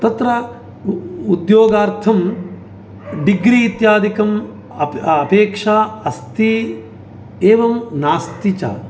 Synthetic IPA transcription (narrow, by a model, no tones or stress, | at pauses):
t̪ɐt̪ɾɐ | ud̪joːɡaːɾt̪ʰɐm | ɖiɡɾiːt̪jaːd̪ʱikɐm | ɐpeːkʂaːɐst̪i | eːʋɐmnaːst̪it͡ʃa̰ː